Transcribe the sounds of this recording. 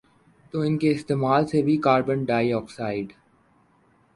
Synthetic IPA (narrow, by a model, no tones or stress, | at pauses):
t̪oɪnkeɪst̪eːmaːlsebʱikaːɾbənɖaːɪɔːksaːɪɖ